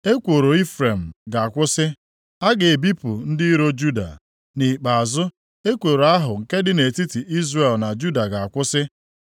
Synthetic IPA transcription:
e˦kʷo˨ɾo˨i˦fɾe˨m̩˨ɡa˨a˨kʷʊ˦sɪ˦ | a˦ɡe˨e˨bi˦pʊ˨n̩˦dɪ˦i˦ɾo˦d͡ʒu˦da̰˨ | ni˨k͡pa˨a˨zʊ˦ | e˦kʷo˨ɾo˨a˦ɦʊ˨ŋ̩˨ke˦dɪ˦ne˨ti˦ti˨ʔi˦zre˨lna˨d͡ʒu˦da˨ɡa˨a˨kʷʊ˦sɪ˦

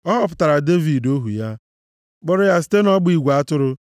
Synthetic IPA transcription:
ɔ˦ɦɔ˨p̬ʊ̥˨ta˨ɾa˨de˦vi˨do˦ɦṵ˨ja˦ | ɡ͡bɔ˦ɾʊ˦ja˦s̬i̥˦te˦nɔ˦ɡ͡bi˨ɡʷa˦tʊ˦ɾʊ˦

